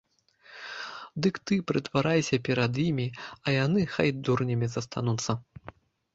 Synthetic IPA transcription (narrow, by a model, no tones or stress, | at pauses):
d̪ɨkt̪ɨpɾɨt̪vaɾajsʲɐpʲɛɾɐd̪jimʲiɐjanɨxajd̪urnʲɐmʲizɐst̪ʰa̰nut̪sːɐ